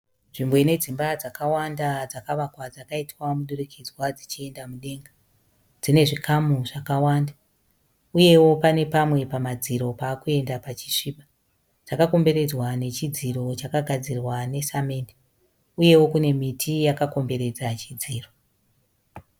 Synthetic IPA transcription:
nʐimboine̞d͡zimbad͡zakawandad͡zakaʋakwad͡zakaitwamuɗurekʰid͡zwad͡zit͡ʃie̞ndamuɗe̞ːŋɡa | d͡zine̞ʐikʰamuʐakawaːnda | uje̞wo̞pane̞pamwe̞pamad͡ziɾo̞paːkue̞ndapat͡ʃi̥ʂiːɓa | d͡z̥akako̞mbe̞ɾe̞d͡zwane̞t͡ʃid͡ziɾo̞t͡ʃakaɡʱad͡zirwane̞same̞ːnde | uje̞wo̞kune̞mitʰijakako̞mbe̞ɾe̞d͡zat͡ʃid͡ziːro̞

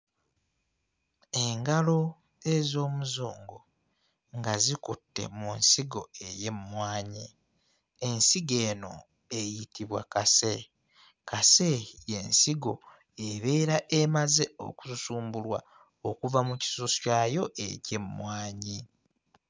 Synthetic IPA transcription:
eŋɡalo̞ | e̞zo̞ːmuzoːŋɡo̞ | ŋɡazikutːe̞̰munsiɡo̞̰e̞je̞mmwaːɲi | ensiɡe̞ːno̞̰ | ejitiβwa̰kase̞ | kase̞je̞̰nsiɡo̞ | eβe̞ːɾaʔemaze̞o̞̰ku̥susuːmbulwa̰ | okuvamuci̥suscajo̞ʔḛcemmwaːɲi

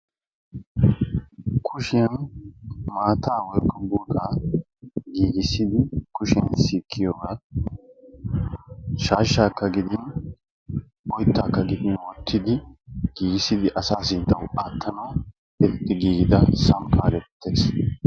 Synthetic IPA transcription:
kʰʊʃɪjɐn | maːt̪ʰaːwɔjkʼːɔbuːkʼaː | ɡiːɡɪsɪd̪ɪkʊʃɪjɐnsiːkʰːɪjoːɡaː | ʃaːʃːaːkːɐɡɪd̪ɪn | ɔjt̪ːaːkːɐɡɪd̪ɪnwɔt̪ʰːɪd̪ɪɡ̥iːɡɪsɪd̪ɪʔɐsaːsɪd̪ɐwaːt̪ʰːɐnaː | ɛt̪ːɪɡiːɡɪd̪ɐsɐmkʰʼaːɡɛt̪ʰːeːs

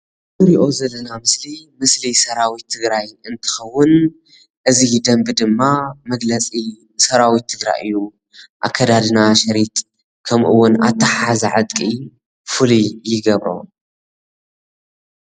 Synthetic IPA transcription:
mɨɾiʔo̞zɐlːɐnamɨslimɨslisɐɾawit̪ʰːɨɡɾajɨnt̪ʰɨ̥xɐwːʊn | ʔɨzid̪ɐmbɨd̪ɨmːamɐɡlɐt͡sʼi | sɐɾawit̪ʰːɨɡɾa̰jʔɨ̰jːu | ʔa̰kʰːɐd̪ad̪ɨnaʃɐɾit̪ | kʰɐmʔɨ̰wːʊna̰t̪ʰːɐħazaʕɨt̪ʼkʼi | fɨlijɪɡɐβɾo̰

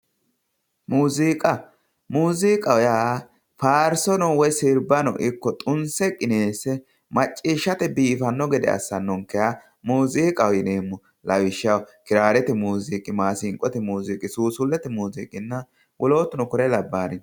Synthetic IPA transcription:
muːziːkʼɐ | muːziːkʼɐwɔjaː | faːɾsɔnɔwɔjsɪɾbɐnɔ̰ʔɪkːɔt̪ʼʊnsɛkʼɪneːsɛ | mɐt͡ʃʼːiːʃːɐt̪ɛbiːfɐnːɔɡɛd̪ɛ̰ɐ̰sːɐnːɔŋkːɛja | muːziːkʼɐwjɪneːmːɔ | lɐwɪʃːɐwkɪɾaːɾɛt̪ɛmuːziːkʼɪmaːsɪŋkʼːɔt̪ɛmuːziːkʼɪsuːsʊlːɛt̪ɛmuːziːkʼɪnːɐ | wʔɔlo̞ːt̪ːʊnɔkɔɾɛlɐbːaːnɪn

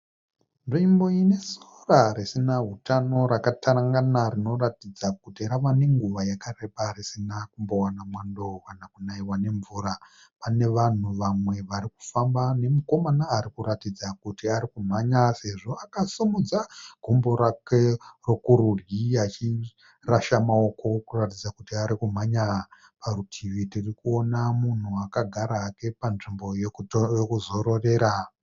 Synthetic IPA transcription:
nʐimbo̞ine̞sorarisinaɦutʰano̞ɾakataɾaŋɡanaɾino̞ratid͡zak̚utiɾaʋane̞ŋɡuʋajakare̞ɓarisinakumbo̞wanamwandokanakunaiwane̞ɱvuːɾa | pane̞ʋan̤uʋamwe̞ʋaɾiku̥fambane̞muko̞manaːɾikuɾatid͡zakutiaɾikum̤aɲase̞ʐo̞akasumud͡zaɡ̥ʱumbo̞ɾakerokuɾurjiat͡ʃi | raʃamao̞ko̞kuratid͡zakutiaɾikum̤aɲa | parutʰiʋitirikuo̞namun̤uakaɡʱaɾaːke̞panʐimbo̞jojokuzo̞ɾo̞re̞ːɾa

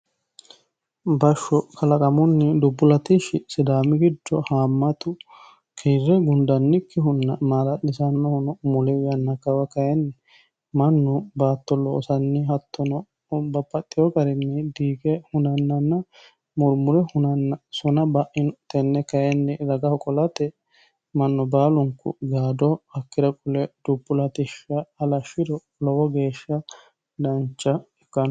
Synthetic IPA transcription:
bɐʃːɔkʰɐlɐkʼɐmʊnːɪd̪ʊbːʊlɐt̪ɪʃɪsɪd̪aːmɪɡɪd̪ːɔhaːmːɐt̪ʊ | kʰeːɾːɛɡʊnd̪ɐnːɪkːɪɦʊnːɐmaːlɐlːɪsɐnːɔhʊnɔmʊlɛwɪjɐnːɐkɐwɐkɐjɛnːɛ | mɐnːʊbaːt̪ːɔlːɔːsɐnːɪɦɐt̪ʰːɔnɔ | bɐpʼːɐt̪ʼːɪjɔɡɐɾɪnːɛd̪iːɡɛhʊnɐnːɐnːɐ | mʊɾmʊɾɛhʊnɐnsɔnɐbɐʔɪnt̪ɛnːɛkɐjɛnːɛɾɐɡɐhɔkʼɔlɐt̪ɛ | mɐnːʊbaːlʊŋkʊ̰ɡaːd̪ɔhɐkːɪɾɐkʼʊlɛd̪̥ʊbːʊlɐt̪ɪʃːɐːlɐʃɪɾɔ | lɔwɔɡe̞ːʃːɐ | d̪ɐnt͡ʃːɐ | ɛkːɐ

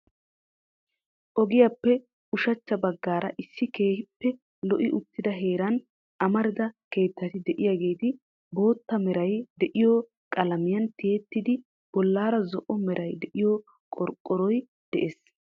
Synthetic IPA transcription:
ʔɔɡɪjapːɛ | ʊʃɐt͡ʃːɐbɐɡːaːɾɐʔɪsːɪke̞ːhɪpːɛ | lɔʔɪʔʊt̪ːɪd̪ɐɦe̞ːɾɐn | ʔɐmɐɾɪd̪ɐke̞ːt̪ːɐt̪ɪd̪ɛʔɪjaːɡe̞ːt̪ɪ | bo̞ːt̪ːɐmɛɾɐjd̪ɛʔɪjɔ | kʼɐlɐmɪjɐnt̪ɪjet̪ːɪd̪ɪ | b̥ɔlːaːɾɐzɔʔɔmɛɾʔɐjd̪ɛʔɪjɔ | kʼɔɾkʼːɔɾɔj | d̪̥ɛʔeːs

